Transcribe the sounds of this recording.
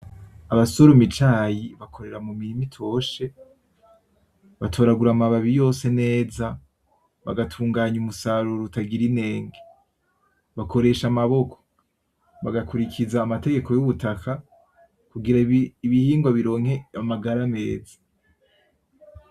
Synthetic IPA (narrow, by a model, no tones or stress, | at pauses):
aβaso̞ɾomit͡ʃaːjiβakʰo̞ɾe̞ɾamumiɾimitʰo̞ːʃe̞ | βatʰo̞ɾaɡuɾamaβaβijo̞ːse̞ne̞ːza | βa̰ɡatʰuːŋɡaːɲumusaɾuɾutaɡiɾine̞ːŋɡe | βako̞ɾe̞ʃamaβo̞kʰo | βaɡakuɾikʰizaːmate̞ɡe̞kʰo̞juβutakʰa | kuɡiɾaiβihiːŋɡwaβiɾo̞ːŋhe̞amaɡaɾame̞̰ːzḁ